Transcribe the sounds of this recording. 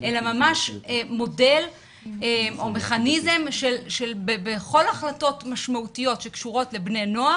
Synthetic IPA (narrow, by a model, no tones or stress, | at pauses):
ʔelamamaʃemo̞de̞l | emo̞me̞χanize̞mʃelʃelbebeχo̞laχlato̞tmaʃmautijo̞tʃe̞kʃuʁo̞tle̞bne̞no̞a